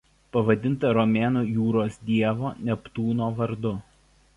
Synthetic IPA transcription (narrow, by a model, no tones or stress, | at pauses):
pɐʋɐd̪ʲɪnˑt̪ɐɾɔmʲeːnoːjuːɾoːsd̪ʲiɛʋoːnʲɛpt̪uːnoːʋɐɾd̪ʊ